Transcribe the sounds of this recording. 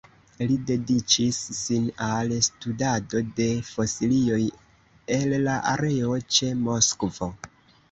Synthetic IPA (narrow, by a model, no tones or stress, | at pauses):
lide̞dit͡ʃisːinalstudado̞de̞fo̞silio̞j | elːaʔaɾe̞o̞t͡ʃe̞mo̞skvo̞